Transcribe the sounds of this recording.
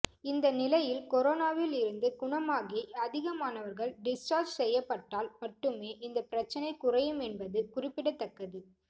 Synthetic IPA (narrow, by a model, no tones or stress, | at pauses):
ɪnd̪ɐnɪlɐjɪlkɔɾoːnaːʋɪlɪɾɯnd̪ɯɡʊɳɐmaːɣiɐðɪɣɐmaːnɐʋɐɾɣɐɭɖɪsʈaːɾd͡ʒsɛjːɐpːɐʈːaːlmɐʈːɯmeːʔɪnd̪ɐpɪɾɐt͡ʃːɐnɐɪkʊrɐjɯmɛnbɐðɯkʊrɪpːɪɽɐt̪ːɐkːɐðɯ